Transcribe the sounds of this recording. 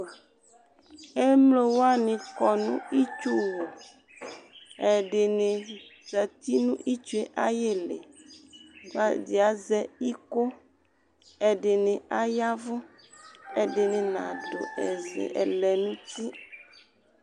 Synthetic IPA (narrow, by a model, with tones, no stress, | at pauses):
e˦mlo˨wo˦a˦nĩ˨kɔ˨nũ˦i˦t͡ʃu˦wo˨ | e˨ɖe˨nẽ˨zɛ˨t̪i˦nũ˦ʔi˦t͡ʃu˦e˦ʔa˦je˦lḛ˨ | va˦di˨a˨˦zɛ˦i˦ko˦ | e˨ɖe˨nẽ˨a˦ja˦vʊ˦ | e˨ɖe˨nẽ˨nã̰˨ɖo̰˨e˨zɛ̰˨ḛ˨lɛ˨nũ˦t̪i˦